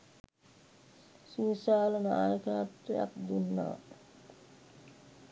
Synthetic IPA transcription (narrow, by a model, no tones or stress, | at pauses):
siːsaːləna̰jəkaːt̪weja̰k̚d̪unːa̰